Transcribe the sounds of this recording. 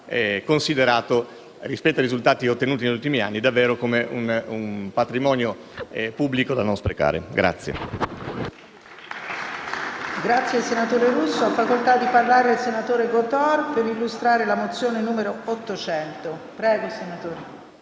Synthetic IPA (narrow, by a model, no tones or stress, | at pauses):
ɛkonsid̪eɾaːt̪o | rispɛt̪ːajɾizult̪aːt̪iot̪ːenuːt̪ineʎːult̪imia̰nːid̪avːɛːɾokomeʔunumpat̪ɾimɔːnjo | pubːlikod̪anonspɾeka̰ːɾḛɡɾa̰t̪sːjḛ | ɡɾat̪sːjelsenat̪oːɾeɾusːoafːakolt̪ad̪ːiparlaːɾed̪elsenat̪oːɾeɡot̪ɔrpeɾilːust̪ɾaːɾelamot̪sːjoːnenuːmeɾoot̪ːot͡ʃɛnt̪opɾɛːɡosenat̪oːɾe